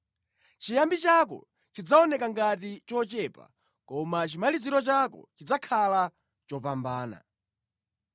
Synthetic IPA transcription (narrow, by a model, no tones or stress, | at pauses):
t͡ʃijambit͡ʃak̬ɔ̰ | t͡ʃid͡zaɔnɛkaŋɡatit͡ʃɔt͡ʃɛpa̰ | kɔmat͡ʃimaliziɾɔt͡ʃakɔ̰t͡ʃid͡zakʰala | t͡ʃɔpambaːna̰